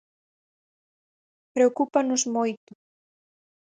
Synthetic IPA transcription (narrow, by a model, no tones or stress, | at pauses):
pɾeokupanʊzmojt̪ʊ̥